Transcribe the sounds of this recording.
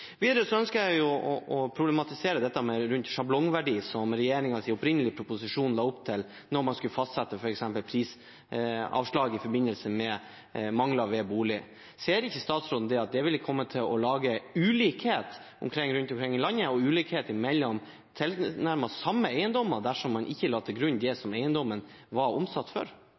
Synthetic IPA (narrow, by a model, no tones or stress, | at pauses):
ʋiːd̪əɾəsɔœnskəɾjæɪjʊɔʔɔpʰɾʊblɛmɑt̪ɪseːɾəd̪ɛt̪ːəmɛɾʉnt̪ʂɑblɔŋʋæɖiːsɔmɾɛjeːɾɪŋɑsɪɔpɾɪnəlɪpʰɾʊpʊsɪʂuːnlɑːʊpt̪ʰɪl | nɔɾmɑnskʉləfɑst̪sɛt̪ːəfɔɾɛksɛmpəlpʰɾiːs | ɑ̰ːʋʂɭɑːɡɪfɔɾbɪnːəlsəmɛ | mɑŋlɑʋɛbuːlɪ | seːɾɪçːəst̪ɑːt̪sɾoːd̪nəd̪ɛɑt̪̚d̪ɛʋɪlːəkʰɔmːət̪ʰɪlɔlɑːɡəʉːliːkheːt̪ | ʊ̰mkʰɾɪŋːɾʉnt̪ɔmkɾɪŋːɪlɑnːəɔʉːliːkheːt̪əmɛlːɔm | t̪ʰɪlnæɾmɑsɑmːəæɪənd̪ɔmːəd̪æʂɔmːɑnʔɪçːəlɑːt̪ʰɪlɡɾʉnd̪ɛsɔmeɪənd̪ɔmːənʋɑɾɔmsɑt̪ːfɔ̰ɾ